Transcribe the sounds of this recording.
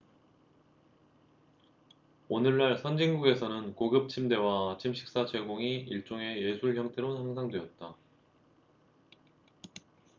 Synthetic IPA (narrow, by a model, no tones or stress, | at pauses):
onɯɭːaɭsʰʌnd͡ʑiŋɡuɡe̞sʰʌnɯnkoɡɯp̚t͡ɕʰimde̞wat͡ɕʰimɕʰi̥k̚s͈at͡ɕe̞ɡoŋiiɭt͡ɕ͈oŋe̞jesʰuɭçjʌŋtʰe̞ɾohaŋsʰaŋdwe̞ʌt̚t͈a